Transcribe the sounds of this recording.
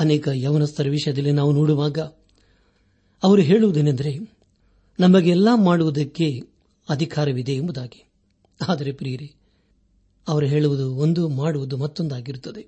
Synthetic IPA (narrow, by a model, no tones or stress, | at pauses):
ɐnɛːkɐjɐʋɐnɐst̪ʰɐɾɐʋiʂɐjɐd̪ɐlːinaːʋunoːɽuʋaːɡɐ | ɐʋɐɾuɦe̞ːɭuʋud̪enɐnd̪ɐɾe̞ | nɐmɐɡeɛlːaːmaːɽuʋud̪ɐkːe̞ | ɐd̪ʱikaːɾɐʋid̪e̞ːmbud̪aːɡi̥ | aːd̪ɐɾepɾiːɾi | ɐʋɐɾuɦe̞ːɭuʋud̪uond̪umaːɽuʋud̪umɐt̪ːo̞nd̪aːɡiɾut̪ːɐd̪e̞